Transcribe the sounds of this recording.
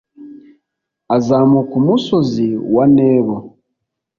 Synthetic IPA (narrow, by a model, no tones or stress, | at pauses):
azamukumusoziwaneːβo